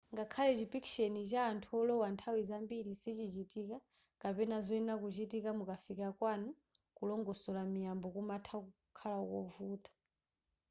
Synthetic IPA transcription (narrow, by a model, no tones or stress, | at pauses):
ŋɡakʰalɛt͡ʃipikʃɛnit͡ʃaːntʰuɔlɔwantʰawizambiɾisit͡ʃit͡ʃitiːka | kapɛnazɔinakut͡ʃitikamukafikakwanɔ | kulɔŋɡɔsɔlamijambɔkumatʰaku | kʰalakɔ̰vuːtʰɔ̥